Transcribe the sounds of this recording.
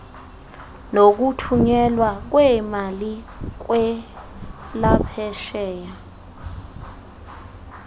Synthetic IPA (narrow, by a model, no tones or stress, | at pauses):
nok̬utʰuɲɛlwak̬wɛmali | k̬wɛ | lapʰɛʃɛːja